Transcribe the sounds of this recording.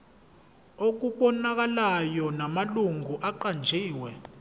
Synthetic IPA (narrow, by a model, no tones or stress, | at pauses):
ok̬uɓwɔnak̬alajɔnamaluŋɡʱuʔaǃand͡ʒʱiːwɛ